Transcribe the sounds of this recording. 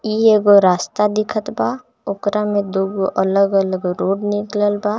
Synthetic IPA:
ieːɡoɾaːst̪ad̪ɪkʰət̪ba | ʊkɾamẽd̪oːɡoʔələɡələɡɾoːɽnɪkləlbaː

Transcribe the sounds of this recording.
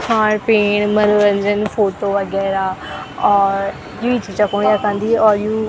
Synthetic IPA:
kʰaːɳpeːɳ̃mənuɾənd͡ʒənfoːʈoːʋəɡɛːɾaːɔːɾ | juːɪd͡ʒit͡ʃəkõːɳjaːkãːnd̪iːɔːɾjuː

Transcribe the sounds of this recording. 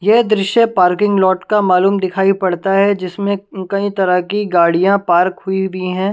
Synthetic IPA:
jɛɦd̪ɾɪʃjəpaːɾkɪ̃ŋɡlɔːʈkamaːluːmd̪ɪkʰaːipɐɽt̪aɦɛd͡ʒɪsmẽkɐĩt̪ɐɾakiɡaːɽijãpaːɾkɦʊiiɦɛ̃ː

